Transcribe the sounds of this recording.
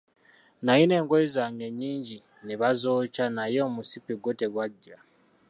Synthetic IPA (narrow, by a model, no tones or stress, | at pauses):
najine̞ːŋɡoizaŋɡe̞ɲːiːɲɟi | niβazo̞ːcanajo̞ːmusipiɡote̞ɡwaɟːa